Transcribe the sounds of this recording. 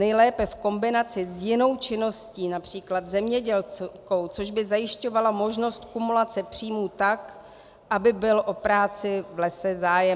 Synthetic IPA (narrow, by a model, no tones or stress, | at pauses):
nɛjlɛːpɛfko̞mbɪnat͡sɪzjɪno̞wt͡ʃɪno̞sciːnapr̝̥iːklat̪zɛmɲɛɟɛlko̞wt͡so̞ʒbɪzajɪʃco̞valamo̞ʒno̞st̪kumulat͡sɛpr̝̥iːmuːt̪ak | ʔabɪbɪlʔo̞pɾaːt͡sɪvlɛsɛzaːjɛ